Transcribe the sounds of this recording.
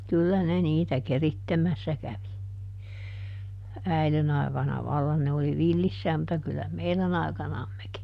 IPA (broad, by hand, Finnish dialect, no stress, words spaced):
kylːæ ne niːtæ keritːemæsːæ kæʋi æilen ɑikɑnɑ ʋɑlːɑn ne oli ʋilːisːæːm mutːɑ kylːæ meilæn ɑi̯kɑnɑmːeki